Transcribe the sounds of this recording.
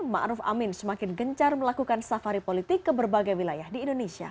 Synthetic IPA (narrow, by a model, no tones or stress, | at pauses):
ma̰ʔɾʊfa̰mɪnsəmakɪnɡəɲt͡ʃarməlakukansafaɾipolit̪ɪkːəbərbaɡajwilajahdiːndonesia̰